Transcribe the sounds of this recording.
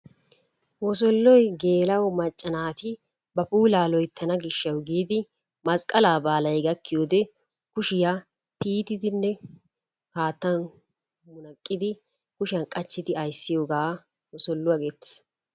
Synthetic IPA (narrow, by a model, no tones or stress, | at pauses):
wɔs̬ɔlːɔjɡe̞ːlɐwmɐt͡ʃʼːɐnaːt̪ɪ | bɐpuːlaːlɔjt̪ʰːɐnɐɡɪʃːɐwɡiːd̪ɪ | mɐskʼːɐlaːbaːlɐjɡɐkːɪjoːd̪ɛ | kʊʃɪja | piːt̪ɪd̪ɪnːɛ | haːt̪ːɐn | mʊnɐkʼːɪd̪ɪ | kʊʃɐnkʼɐt͡ʃːɪd̪ɪɐjsːɪjoːɡaː | wɔsɔlːʊwɐɡet̪ːɪ̥s